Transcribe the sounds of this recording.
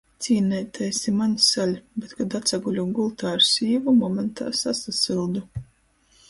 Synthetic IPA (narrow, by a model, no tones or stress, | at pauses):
t̪siːnɛjt̪ɛjsimansalʲbʲet̪kad̪at̪saɡulʲuɡulˠt̪aːɾsʲiːvumɔmɛnt̪a̰ːsasasilˠd̪u